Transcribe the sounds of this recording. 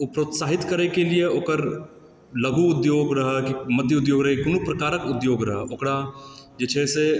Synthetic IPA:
ʊpɾoːt̪saːɦɪt̪kəɾekelieoːkəɾ | ləɡuʊd̪joːɡɾɐɦəkimɐt̪jʊd̪joːɡɾəɦkʊnupɾəkaːɾəkʊd̪joːɡɾɐɦəʔokɽad͡ʒɪt͡ʃʰese

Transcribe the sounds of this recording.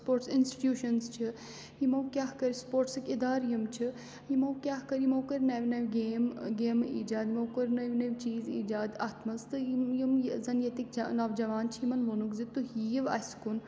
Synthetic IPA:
spoːɾʈsɪnsʈi̥ʈjuːʃɐnzt͡ʃʰi | jimɐwkʲjaːɦkɐɾispoːɾʈsɨkʲɪd̪aːɾjumt͡ʃʰi | jimɐwkʲjaːɦkɐɾjimowkɐɾʲnɐʋʲnɐʋʲɡeːmɡeːmḭːd͡ʒaːd̪mɐːkɐɾʲnɐʋʲnɐʋʲt͡ʃiːzḭːd͡ʒaːd̪aːt̪mɐzt̪ɨjumjzɐnjet̪ikd͡ʒɐnɐʋd͡ʒɐʋaːnt͡ʃʰiimɐnʋonukzit̪uɦijiʋɐ̰sʲkun

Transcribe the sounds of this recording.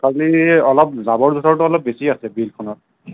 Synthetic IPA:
kʰaliɔlɔp̚zabɔɹzʱɔtʰɔɹtʊɔlɔp̚besiasɛbilkʰɔnɔt̚

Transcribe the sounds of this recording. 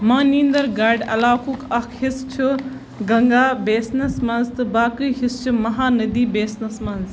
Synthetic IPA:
mãːnĩːnd̪ɐɾɡaːɾɖɐ̰laːkʰukɐkʰhist͡ʃʰu | ɡɐŋɡaːbeːsnɐsmɐnzt̪ɨbaːkɨɦist͡ʃʰumɐɦaːnɐd̪iːbeːsnɐsmɐnz

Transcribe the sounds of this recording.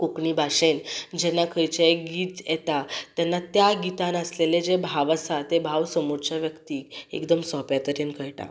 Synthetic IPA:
kokɳibʱaʂend͡ʑɛnːakʰəjt͡ɕəeɡiːt̪jet̪at̪janːat̪jaɡit̪ãnəsleled͡ʑebʱaʋəsat̪ebʱaʋsəmoɾt͡ɕaʋjəkt̪iːkḛkd̪əmsɔpjat̪əɾenkəjʈa̰

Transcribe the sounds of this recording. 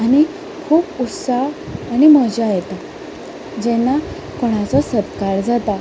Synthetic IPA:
aɽ̃i | kʰuːput̪saɦaɽ̃iməd͡ʑajɛt̪a | d͡ʑɛnːa | kɔɽ̃at͡sɔsət̪kaɾd͡zat̪a

